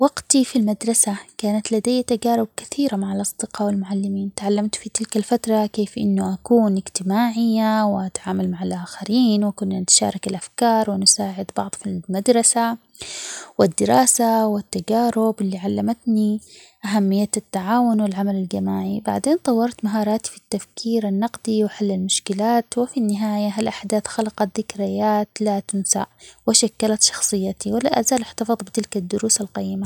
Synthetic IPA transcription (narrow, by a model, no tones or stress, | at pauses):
wɑɡt̪ifilmad̪ɾˤɑsakaːnat̪lad̪ajːat̪aɡaːɾˤʊb̚kḁθiːɾamaʕalʔɑsˤd̪̥ɪqɑwɪlmʊʕalːɪmiːnt̪ʕalːamt̪fit̪ɪlkalfat̪ɾˤɑkeːfʔɪ̰nːʊʔakuːnɪɡt̪ɪmaːʕɪjːawɪʔat̪ʕaːmalmaʕalʔaːxaɾiːnwɪkʊnːanɪt̪ʃa̰ːɾˤɑkɪlʔafkɑːɾˤwɪnʊsaːʕɪd̪bɑ̰ʕðˤfilmad̪ɾˤɑsa | wɪd̪ːɪɾɑːsawɪt̪ːad͡ʒaːɾʊbɪlːiʕalːamat̪niʔaɦamːɪjːat̪at̪ːaʕaːwʊnwɪlʕamalald͡ʒamaːʕibaʕd̪eːnt̪ˤɑwːɑɾˤt̪maɦɑːɾˤɑːt̪i̥fit̪ːafkʰiːɾanːɑqd̪iwɪħalːalmʊʃkɪlaːt̪wɪfinːɪɦaːjaɦalʔaħd̪aːθxalaqɑt̪̚ðɪkɾɪjaːt̪lat̪ʊnsa̰ʔwɪʃakːalat̪ʃɑ̥xsˤɨjːat̪iwɪla̰ʔazaːlʔɪħt̪ɑfɨðˤbɪt̪ɪlkad̪ːʊɾuːsalqɑjːɪma